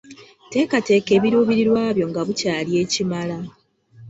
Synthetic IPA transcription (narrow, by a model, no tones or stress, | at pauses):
te̞ːkate̞ːke̞ːβiɾuːβiɾiɾwaːβjo̞ŋɡaβucaːlie̞ːcimala